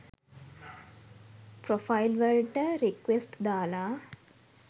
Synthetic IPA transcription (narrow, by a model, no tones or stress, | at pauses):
pɾofʰailʋəɭʈəɾikʋesʈd̪aːlaː